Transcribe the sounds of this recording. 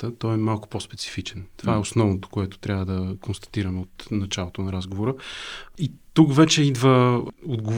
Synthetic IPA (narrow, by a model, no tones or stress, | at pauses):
t̪ət̪ɔɛmalˠkʊ̥pospɛ̥t̪si̥fit͡ʃɛnt̪o̥vaɛosnɔvnot̪o̥koɛt̪o̥t̪ɾʲavəd̪ɐkonst̪ɐ̥t̪iɾəmɛot̪nɐt͡ʃalˠot̪onɐɾazɡovoɾəit̪ukvɛt͡ʃɛid̪vəod̪ɡo